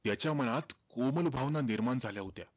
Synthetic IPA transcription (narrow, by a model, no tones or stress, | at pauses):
t̪jat͡ɕjaməñat̪koməlbʱaʋnaniɾmaɳd͡zʱaljaɦot̪ja̰